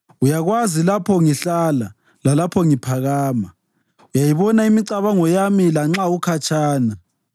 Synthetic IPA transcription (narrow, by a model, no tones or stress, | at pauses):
ujaɣwazilapʰɔŋiɬala | lalapʰɔŋipʰaɣaːma | ujajiβɔnaimiǀaβaŋɔjamilaŋ͡ǁaukʰat͡ʃʰʼaːna